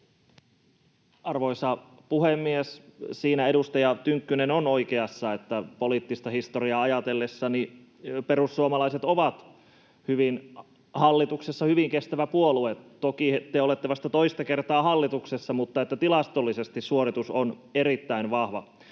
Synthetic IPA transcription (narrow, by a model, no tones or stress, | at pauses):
ɑrʋoisɑ | puhemːiessiːnæedust̪ɑjɑt̪yŋkːynenonoikeɑsːɑet̪ːæpoliːt̪ːist̪ɑhist̪oriɑɑjɑt̪elːesːɑni | perusːuomɑlɑiset̪oʋɑt̪ | hyʋin | hɑlːit̪uksesːɑhyʋiŋkest̪æʋæpuoluet̪t̪okiet̪ːeolet̪ːeʋɑst̪ɑt̪oist̪ɑkert̪ɑːhɑlːit̪uksesːɑmut̪ːɑet̪ːæt̪ilɑst̪olːisest̪issuorit̪uson | eɾit̪ːæinʋɑhʋɑ